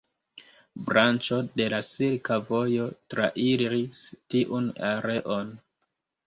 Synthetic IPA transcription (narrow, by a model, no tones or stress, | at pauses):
bɾant͡ʃo̞de̞lasiɾkavo̞jo̞tɾa̰ʔiɾɾistiʔunaɾe̞ʔo̞n